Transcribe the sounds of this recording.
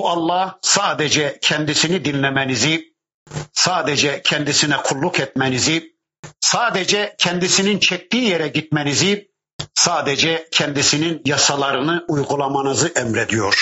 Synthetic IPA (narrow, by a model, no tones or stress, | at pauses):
buɑlˠːɑhsaːd̪ɛd͡ʒɛcʰɛnd̪isinid̪inlɛmɛnizi | saːd̪ɛd͡ʒɛcʰɛnd̪isinɛkʰulˠːukɛt̪mɛnizi | saːd̪ɛd͡ʒɛcʰɛnd̪isinint͡ʃʰɛc̚d̪iːjɛɾɛɟit̪̚mɛnizi | saːd̪ɛd͡ʒɛcʰɛnd̪isininjɑsɑlˠɑɾɯnɯʔujɡulˠɑmɑnɯzɯʔɛmɾed̪ijoɾ̥